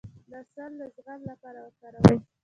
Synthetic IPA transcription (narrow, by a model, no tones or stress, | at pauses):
d̪əsaɾd̪əzɣallapɑɾawəɾkaɾawaj